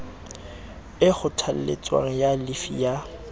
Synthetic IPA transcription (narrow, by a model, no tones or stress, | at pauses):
ɪχʊtʰal̩lḛt͡sʼwa̰ŋ̩jalifḭja